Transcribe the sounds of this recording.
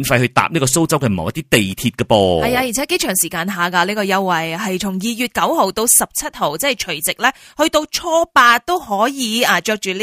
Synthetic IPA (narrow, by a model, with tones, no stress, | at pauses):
nfɐ˧jhɵ˧ɥt̪a̰ː˨p̚niː˥kɔː˧so˥wt͡sɐ˥wkɛː˧m̰˨wɐ˥t̪iː˥t̪e˨jt̪ʰiː˧t̚kɛ˧pɔː˧hɐ˨jaː˧jiː˨˩ɛː˨˥ke˥jt͡ʃʰœː˨˩ŋsiː˨˩kaː˧nɦaː˨kaː˧liː˥kɔː˧jɐ˧wːɐ˨˩jɦɐ˨jt͡sʰʊ˨˩ŋjiː˨˧jyː˨t̚kɐ˨˥who˨˩wt̪o˧wsɐ˨p̚t͡sʰɐ˥t̚ho˨˩wt͡sɛː˥˨˩jt͡ʃʰɵ˨˩t͡sɪ˨k̚lɛː˥hɵ˧t̪o˧wt͡ʃʰɔː˥paː˧t̪o˥whɔː˨˥jiː˨˧ɐː˨˩t͡ʃœː˧k̚t͡ʃyː˨˩lː